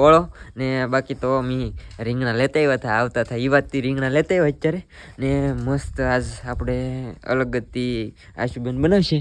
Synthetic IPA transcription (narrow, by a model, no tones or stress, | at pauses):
oɭonebakit̪omiɾĩŋɡnalet̪aiʋat̪ʰaaʋt̪at̪ʰaiʋat̪ːiɾĩŋɡnalet̪aiʋat͡ʃaɾeneməst̪ad͡ʒapɽ̃eə̰ləɡət̪ːi | a̰ʃubənbənaʋʃe